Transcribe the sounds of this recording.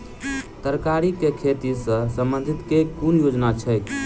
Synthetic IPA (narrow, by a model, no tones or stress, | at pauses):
t̪əɾkaɾikekʰet̪isə̃səmbənd̪ʱit̪kekunjod͡ʒnat͡ʃʰəj